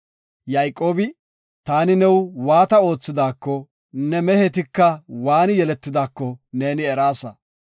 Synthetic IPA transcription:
jɐjkʼo̞ːbɪ | t̪aːnɪnɛwwaːt̪ɐo̞ːt͡sːɪd̪aːkːɔ | nɛmɛhɛt̪̬ɪkːɐwaːnjɛlɛt̪ːɪd̪aːkːɔne̞ːnɪɛɾaːsɐ̰

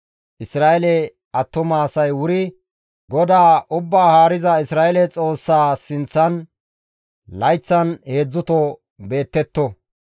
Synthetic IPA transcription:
ʔɪsɾaːʔɛlɛ | ɐt̪ːʊmaːsɐjwʊɾɪ | ɡɔd̪aːʔʊbːaːhaːɾɪzɐɪsɾaːʔɛlɛt͡sʼo̞ːsːaːsɪnt͡sːɐn | lɐjt͡sːɐnhe̞ːd͡zːʊt̪ɔ | be̞ːt̪ːɛt̪ːɔ

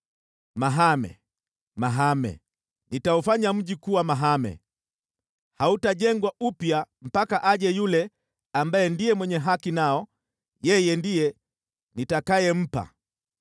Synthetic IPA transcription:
maɦamɛ̰ | maɦamɛ̰ | nitaufaɲam̩ɟikuwamaɦamɛ̰ | hautaɟɛŋɡwaupjam̩pakaʔaɟɛjulɛ | ambaɛndijɛmwɛɲɛɦakinaɔ | jɛjɛndijɛ | nitakajɛm̩pa̰

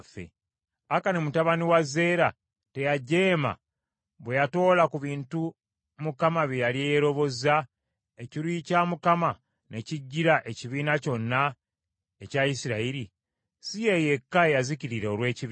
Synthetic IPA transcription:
fḛ | akanemutaβaniwaze̞ːɾa | te̞jaɟe̞ːma̰ | βwe̞jato̞ːlakuβiːntu | mukamaβjijaliejeɾo̞βo̞za | e̞ciɾicaːmukama | ne̞ciɟːiɾaʔe̞ciβiːnaco̞nːa | ecaisiɾaiɾi | sije̞je̞kːaejaziciɾiɾeolwe̞ːciβ

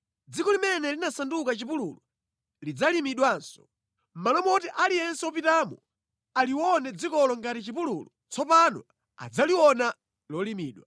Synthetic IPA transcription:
d͡zikɔlimɛnɛlinasandukat͡ʃipululɔ | lid͡zalimiɗwansɔ̥ | m̩malɔmɔtiʔalijɛnsɛɔpitaːmɔ | aliwɔnɛd͡zikɔlɔŋɡatit͡ʃipulṵlɔ | t͡sʰɔpanɔ̰ | a̰d͡zaliwɔna | lɔlimiːɗwa

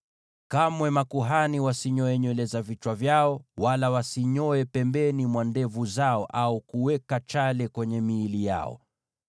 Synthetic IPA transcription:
kamwɛmakuɦaniwasiɲɔɛɲɔlɛzavit͡ʃwavjaɔwalawasiɲɔɛpɛmbɛnimwandɛvuzaɔʔaukuwɛkat͡ʃalɛkwɛɲɛmiːlija̰ɔ̰

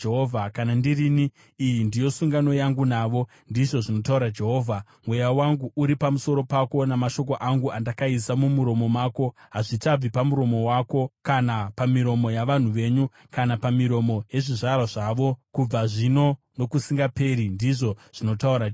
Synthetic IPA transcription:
eɦovʱakanandiriniː | jindijo̞suŋɡano̞jaŋɡunaʋo̞ | ndiʐo̞ʐino̞tauɾad͡ʒe̞ɦo̞ːvʱa | mwejawaŋɡuʔuɾipamuso̞ɾo̞pako̞namaʃo̞k̬oʔaŋɡuandakaisamumuɾo̞mo̞maːko̞ | ɦaʐitab͡vipamuɾo̞mo̞wako̞kanapamiɾo̞mo̞jaʋan̤uʋe̞ɲu | kanapamiɾo̞mo̞je̞ʐiʐaɾaʐaʋo̞kub͡vaʐino̞ | no̞kusiŋɡape̞ɾindiʐo̞ʐ̥ino̞tauɾa

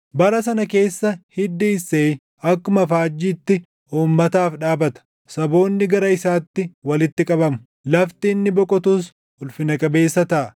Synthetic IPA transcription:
bɐɾɐs̬ɐnɐke̞ːsːɐhɪd̪ːiːseː | ɐkːʊmɐfaːd͡ʒːiːt̪ːɪ | ʔuːmːɐt̪aːfᶑaːbɐt̪ɐ̥ | sɐbo̞ːnːɪɡɐɾɐɪsaːt̪ːɪwɐlɪt̪ːɪkʼɐbɐmʊ | lɐft̪iːnːɪbɔkʼɔt̪uːs | ʊlfɪnɐkʼɐbe̞ːsːɐt̪ɐʔɐ

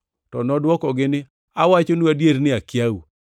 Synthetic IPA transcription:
tɔnɔdwɔkɔɡɪnɪ | awat͡ʃonuadjeɾnɪakjawu

